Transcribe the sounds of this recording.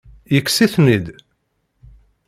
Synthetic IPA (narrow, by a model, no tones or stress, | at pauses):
jəkːsiθnid̪